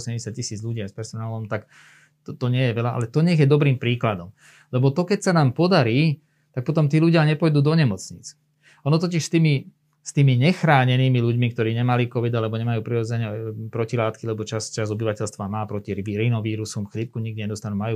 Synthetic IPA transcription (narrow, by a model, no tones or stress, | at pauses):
ɔsɛɟɛsat̪̚cisiːd͡zʎuɟɪaspɛɾsɔnaːlɔmt̪ak̪ | t̪ɔɲɪɛjɛʋɛlaʔa̰lɛt̪ɔɲɛɣjɛd̪ɔbɾiːmpɾiːklad̪ɔm | lɛbɔt̪ɔkɛcsanaːmpɔd̪aɾiː | t̪ak̚pɔt̪ɔmt̪iːluɟɪaɲɛpɔjd̪uːd̪ɔɲɛmɔt͡sɲḭt͡s | ɔnɔt̪ɔc̬iʃst̪iːmi | st̪iːmiɲɛxɾaːɲɛniːmiluɟmikt̪ɔɾiːɲɛmalikɔʋid̪alɛbɔɲɛmajuːpɾiɾɔd͡zɛɲɛpɾɔcilaːt̪kilɛbɔt͡ʃast͡ʃazɔbiʋacɛlst̪ʋamaːpɾɔciɾiɾinɔʋiːɾusɔmxlip̚kuɲiɡd̪iɲɛd̪ɔst̪anumajuː